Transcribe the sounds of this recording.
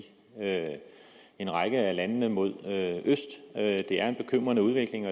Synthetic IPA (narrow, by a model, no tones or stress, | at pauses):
ø | e̝nʁɑ̈ɡ̥əælænnəmo̝ð̞̰ˠøøsd̥ød̥e̝æɐe̝nb̥e̝kʰøm̰ʁɐnəuð̞ˠʋe̝ɡ̥le̝ŋɒ̽